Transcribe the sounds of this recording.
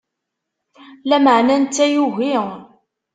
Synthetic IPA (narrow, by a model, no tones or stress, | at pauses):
læməʕnænt̪ːæjuʝi